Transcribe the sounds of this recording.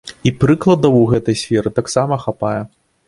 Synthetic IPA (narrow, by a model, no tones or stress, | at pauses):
ipɾɨklˠɐd̪ɐwuɣɛt̪ɐjsʲfʲɛɾɨt̪aksamɐxapajɛ